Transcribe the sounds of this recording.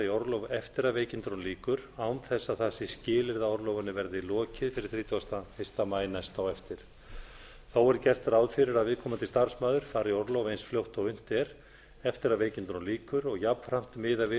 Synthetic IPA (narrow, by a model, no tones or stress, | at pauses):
ɪɔɾlowvɛft̪ɪɾaðveːjcɪnt̪ɾɔnliːkʏɾawnθɛsːaðθasːɪscɪːlɪɾðaɔɾlɔwvanɪvɛɾðɪlɔːcɪðfɪɾɪɾ̥θɾiːt̪ɔast̪ahest̪amaːjnajst̪awɛft̪ɪɾ̥ | θawɛɾcɛr̥t̪ɾawðfɪɾɪɾaðvɪːðkʰɔːmant̪ɪ̥st̪aɾ̥smaːðʏɾ̥faːɾɪɔɾlowvejnsfljowht̪ɔɣʏn̥t̪ɛɾ | ɛft̪ɪɾaðveːjcɪnt̪ɾɔnliːkʏɾɔɣjapn̥fɾam̥t̪mɪðavɪ